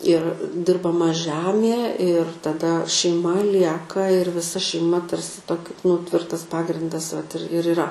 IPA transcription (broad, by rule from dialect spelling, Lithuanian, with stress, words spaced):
ɪr dʲɪrbɐˈmɐ ˈʒʲæmʲiɛ ɪr tɐˈdɐ ʃʲɛɪˈmɐ ˈlʲiɛkɐ ɪr ʋʲɪˈsɐ ʃʲɛɪˈmɐ ˈtɐrʲsʲɪ ˈtoːkʲɪ nʊ ˈtʲʋʲɪrtɐs ˈpɑːɡrʲɪndɐs ʋɐt ɪr ɪr ɪˈrɐ